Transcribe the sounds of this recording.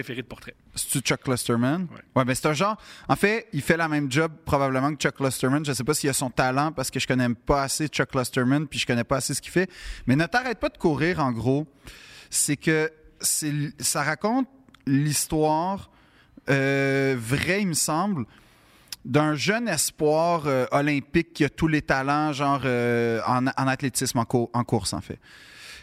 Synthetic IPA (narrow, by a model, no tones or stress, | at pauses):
efeʁed̪əpɔʁt̪χɛ | se̥t͡syt͡ʃɔkːlɔst̪ɛɹmanwɛwɛbɛ̃se̥t̪ɛ̃ʒɑ̃ːʁɑ̃fɛifɛlamɛ̃md͡ʒɔb̚pχɔbabləmɑ̃kt͡ʃɔklɔst̪ɛmãnʒəsepʌsilasɔ̃t̪alɑ̃paʁsə̥kəʒə̥kɔnɛpʌaset͡ʃɔklɔst̪ɛɹmɛ̃npiʒə̥kɔnɛpʌasesə̥kʲi̥fɛmɛnət̪aʁɛt̪̚pad̪əkuːʁiːʁɑ̃ɡʁo | sɛkʲʰəsɛsaʁakɔ̃t̪̚list̪wɑːʁ | øvʁɛiməsɑ̃ːbl | d̪ə̃ʒœnɛspwɑːʁøɔlɛ̃pɪkʲːiat̪ulet̪alɑ̃ʒɑ̃ːʁøɑ̰̃nɑ̃nat̪let̪ɪsmɑ̃kʊɑ̃kʊʁsɑ̰̃ːfɛ̰